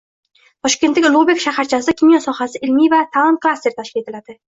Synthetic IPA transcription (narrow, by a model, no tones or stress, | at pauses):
t̪ʰɒʃkʲe̞nt̪lɪkʲlˠobekʲʃahaɾt͡ʃʰasɪkʲʰimjɔsɒhasɪʔɪlmivat̪ʰalˠɒn̚kʰlˠast̪e̞ɾt̪ʰaʃkʲie̞t̪ʰɪlad̪̥ɪ